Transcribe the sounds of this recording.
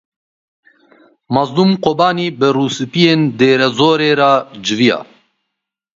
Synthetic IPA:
mɑzd̪umqobɑːniːbɨruːsɨpijeːnd̪eːɾɛzoːɾeːɾaːd͡ʒɨvijɑ̰ː

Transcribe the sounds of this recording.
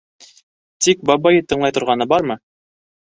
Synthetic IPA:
t̪ik̚bɑbɑjɤt̪ɤ̆ɴlˠɑjt̪ŏɾʁɑnɤbɑɾmɤ

